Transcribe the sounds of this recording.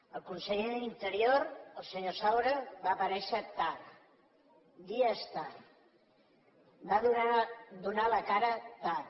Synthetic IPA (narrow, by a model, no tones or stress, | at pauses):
əlˠkunsəʎeðəlint̪əɾjoɾəlˠsəɲosawɾəβaːpəɾɛʃət̪ar | d̪iəst̪ar | ba | d̪unaləkaɾət̪ar